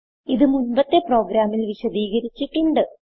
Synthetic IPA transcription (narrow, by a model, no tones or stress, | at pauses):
iðɨmunbɐt̪ːe̞pro̞ːɡɾaːmilʋiɕɐd̪iːɣɐɾit͡ɕːiʈːuɳɖɨ